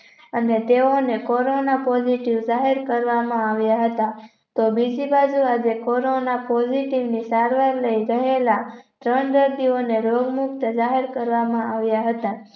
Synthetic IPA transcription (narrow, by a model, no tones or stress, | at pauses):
ənet̪eonekɔɾonapɔd͡ʒiʈiʋd͡ʒaɦiɾkəɾʋamãaʋjaɦət̪a | t̪obid͡ʒibad͡ʒuad͡ʒekɔɾonapɔd͡ʒiʈiʋnisaɾʋaɾləiɾəɦelat̪ɾəɳd̪əɾd̪ioneɾoɡmukt̪d͡ʒaɦiɾkəɾʋamãaʋjaɦət̪a